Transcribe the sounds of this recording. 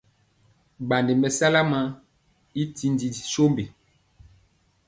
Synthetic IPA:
ba˨nde˨mbɛ˨sa˦la˦ma˦ | i˦ti˦n˦di˨i˨so˦mbe˨

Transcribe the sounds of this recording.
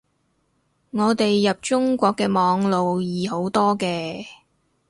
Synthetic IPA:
ŋɔː˨˧t̪e˨jːɐ˨p̚t͡ʃʊ˥ŋkʷɔː˧kːɛː˧mɔː˨˧ŋlo˨wjiː˨ɦo˨˥wt̪ɔː˥kɛː˧

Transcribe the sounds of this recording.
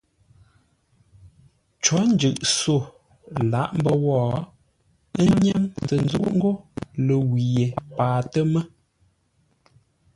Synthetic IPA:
t͡ʃɔ˨˦n̩˦d͡ʒʉ˨ʔso˦˨ | la˨˦ʔm̩˦bə˦wɔ˦˨˦ | ɲɛ˦ŋzə˨n˦zṵ˦ʔŋ̩˦ɡo˦lə˨wi˨je˨paː˨tə˦mə˦

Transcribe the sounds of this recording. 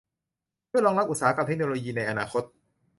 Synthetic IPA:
u˥˩jlɔː˧ŋɾa˦˥p̚ʔt̪̚saː˩˦ka˧p̚t̪ʰk̚noː˧loː˧jiː˧na˧jʔa˧naː˧xʰo˦˥t̪̚

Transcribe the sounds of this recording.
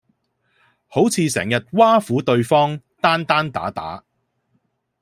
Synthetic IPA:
ho˨˥wt͡sʰiː˧sɛ̰ː˨˩ŋjɐ˨t̚waː˥fuː˨˥t̪ɵ˧ɥfɔː˥ŋ | t̪aː˥nt̪aː˥nt̪a̰ː˨˥t̪a̰ː˨˥

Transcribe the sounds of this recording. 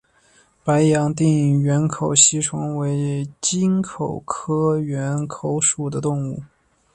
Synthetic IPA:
pa˧˥ɪjɑ˧˥ŋt̪̬i˥˩ŋ˨˩ɥɛ˧˥nkʰo˨˩ʊɕi˧˥ʈ͡ʂʰʊ˧˥ŋwe˧˥ɪt͡ɕi˥nkʰo˨˩ʊkʰɤ˥ɥɛ˧˥nkʰo˧˥ʊʂu˨˩d̪ə˦t̪ʊ˥˧ŋu˥˩

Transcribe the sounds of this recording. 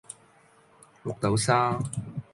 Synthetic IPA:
lʊ˨k̚t̪ɐ˨˥wsaː˥

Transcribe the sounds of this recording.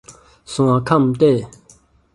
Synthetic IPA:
su˩˨ŋwa˨kʰa˥˨mt̪ɛː˥˨

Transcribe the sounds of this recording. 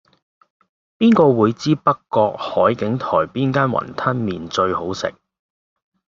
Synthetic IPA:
piː˥nkɔː˧wuː˨˧jt͡siː˥pɐ˥kːɔː˧k̚hɔː˨˥jkɪ˨˥ŋt̪ʰɔ̰ː˨˩jpiː˥nkaː˥nwɐ̰˨˩nt̪ʰɐ˥nmiː˨nt͡ʃɵ˧ɥho˨˥wsɪ̰˨k̚

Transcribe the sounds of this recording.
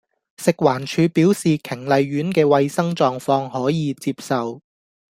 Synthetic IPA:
sɪ˨k̚waː˨˩nt͡ʃʰyː˨˧piː˨˥wsiː˨kʰɪ˨˩ŋlɐ˨jɥyː˨˥nkɛː˧wɐ˧jsɐ˥ŋt͡ʃɔː˧ŋfɔː˧ŋhɔː˨˥jiː˨˧t͡siː˧p̚sɐ˨w

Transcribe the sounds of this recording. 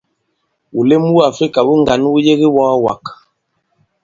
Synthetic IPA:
wu˨le˦mu˦u˦a˨fɾi˦ka˨wu˦ŋɡa˨n˦wu˦je˦ɣi˦wɔ˦wa̰˨k

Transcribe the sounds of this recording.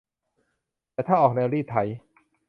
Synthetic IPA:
t̪ɛː˨˩t̪ʰaː˥˩ʔɔː˨˩k̚nɛː˧ɾiː˥˩t̪ʰa˧˩j

